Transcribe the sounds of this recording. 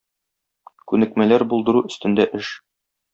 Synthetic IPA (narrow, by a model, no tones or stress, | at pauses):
kʉnɘ̆kmælæɾbulˠd̪ɤ̆ɾuɵ̆st̪ɘ̆nd̪æʔɘʃ